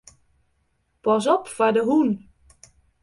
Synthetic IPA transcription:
pɔs̬ɔpfadəɦun

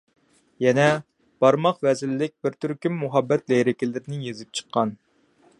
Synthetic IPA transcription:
jɛnɛ | b̥ɑɾmɑqvɛzɪlːɪk̚ʲbɪɾt̪ʰyɾkʲymːuɦɑbːɛt̪lɛjɾɪkʲilɪɾɪnɪjezɪp̚t͡ʃʰə̥qʰːɑn

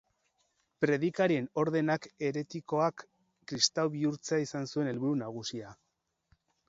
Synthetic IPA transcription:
pɾe̞ðikaɾie̞no̞ɾðe̞nake̞ɾe̞t̪iko̞akː | ɾist̪awβiuɾt͡seaisansue̞ne̞lβuɾunaɣ̞usia

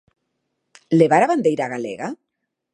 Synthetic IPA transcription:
leβaɾaβand̪ejɾaɣalḛɣa

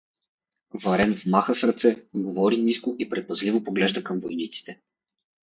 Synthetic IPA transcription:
vɐɾɛnvmaxəsɾɐt̪sɛɡovɔɾiniskoʔipɾɛt̪̚pɐzlivopoɡlɛʒd̪əkɐmvojnit̪si̥t̪ɛ

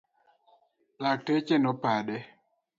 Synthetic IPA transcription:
latet͡ʃenɔpaɗɛ

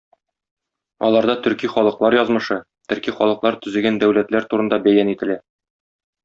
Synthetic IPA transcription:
ɒ̰lˠɑɾd̪ɑt̪ɵ̆ɾkiχɒlˠɤ̆qlˠɑɾjɒzmɤ̆ʃɤ | t̪ɵ̆ɾkiχɒ̰lˠɤ̆qlˠɑɾt̪ɵ̆zɘ̆ɡænd̪æwlæt̪læɾt̪uɾɤ̆nd̪ɑbæjænit̪ɘ̆læ

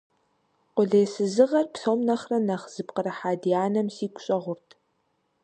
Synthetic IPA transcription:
qʷʊɮeːsɨzɨʁɐrpɬoːmnɐχrɐnɐχz̥ɨbqəɾɐħaːdijaːnɐmsiːkʷʼɕʼɐʁʷʊrtʰ

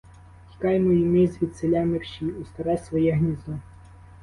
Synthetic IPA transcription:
xʲi̥kɑjmɔjimɪzʋʲid̪selʲamɪrʃiust̪ɐɾɛsʋɔjɛɦnʲizlˠʊ

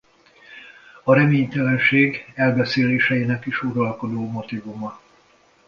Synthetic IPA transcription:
ɒɾɛmeːɲt̪ɛlɛnʃeːɡɛlbɛseːleːʃɛjinɛkiʃuɾɒlko̞d̪oːmo̞t̪ivumɒ

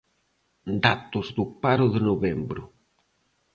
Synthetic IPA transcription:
d̪at̪ʊzðʊpaɾʊðɪnoβembɾʊ

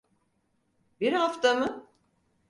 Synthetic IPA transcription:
biɾɦaft̪amɯ

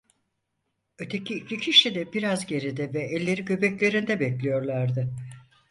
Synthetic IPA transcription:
ø̞t̪ʰe̞cʰiːclʲicʰiʃid̪ɛbiɾazɟe̞ɾid̪ɛvɛːlʲːe̞ɾiɟø̞bɛclʲe̞ɾind̪ɛbɛclʲijo̞ɾlˠaɾd̪ɯ

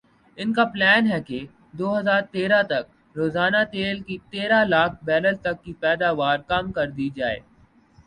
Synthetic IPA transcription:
ɪnkaplɛːnɦɛke | d̪oːɦɐzaːɾt̪eːɾat̪ɐk̚ | ɾoːzaːnat̪eːlkit̪eːɾalaːkʰbɛːləlt̪ɐkːipɛːd̪aːʋaːɾkɐmkɐɾd̪id͡ʒaːḛː

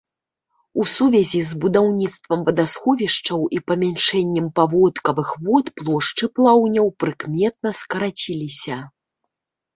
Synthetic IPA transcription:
usuvʲɛzʲizbud̪awnʲit̪st̪vɐmvɐd̪asxɔvʲiʂt͡ʂɐwʔipɐmʲanʂɛnʲːɛmpavɔt̪kɐvɨxvɔt̪plˠɔʂt͡ʂɨplˠawnʲɐwpɾɨkmʲɛt̪̚nɐskɐɾat͡sʲilʲisʲɐ

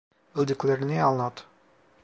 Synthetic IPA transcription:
ɘ̆lʲˠd̪ɘ̆klʲeɾɘ̆neɑlˠɤnɑt̪

